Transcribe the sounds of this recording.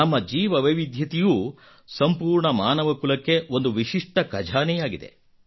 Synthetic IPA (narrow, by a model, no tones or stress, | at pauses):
nɐmːɐd͡ʒiːʋɐʋɐjʋid̪ʱjɐt̪ijuː | sɐmpuːɾɳɐmaːnɐʋɐkulɐkːe̞o̞nd̪uʋiʂiʂʈɐkɐd͡ʒʱaːnɛjaːɡid̪e̞̰